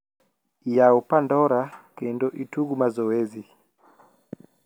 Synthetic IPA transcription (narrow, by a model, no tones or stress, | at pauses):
ijaupandɔɾakɛndɔʔituɡumazɔwɛzi